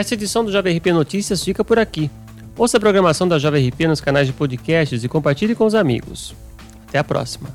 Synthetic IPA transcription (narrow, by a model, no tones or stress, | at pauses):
ɛst̪ɐed͡ʒisɐ̃w̃d̪ʊʒɔvɐehipenot͡ʃisiɐsfikɐpoɾaki | owsɪɐp̬ɾoɡɾɐmasɐ̃w̃d̪ɐʒɔvehipenʊskanajzd͡ʒɪpod͡ʒikɛst͡ʃɪzɪkõpaɾt͡ʃilɪkõʊzamḭɡʊ̰s | at̪ɛɐpɾɔ̰si̥mɐ̰